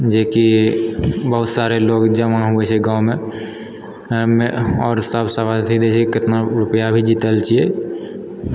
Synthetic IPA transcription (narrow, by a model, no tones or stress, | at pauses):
d͡ʒeki | bəɦʊt̪saɾeloɡd͡ʒəmaɦuɛt͡ʃʰeɡãumẽ | meɔːɾsəbsəbat̪ʰid̪et͡ʃʰekɪt̪naɾʊpəjabʱid͡ʒit̪əlt͡ʃie